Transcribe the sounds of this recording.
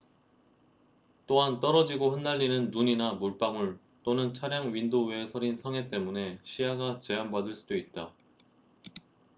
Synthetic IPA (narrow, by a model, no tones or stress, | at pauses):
t͈oɦant͈ʌɾʌd͡ʑiɡoɸɯnːaʎːinɯnːuɲinamuɭp͈amuɭ | t͈onɯnt͡ɕʰaɾjaŋɥindoesʰʌɾinsʰʌŋe̞t͈e̞mune̞ɕʰijaɡat͡ɕe̞ɦambadɯɭs͈ud̥oit̚t͈a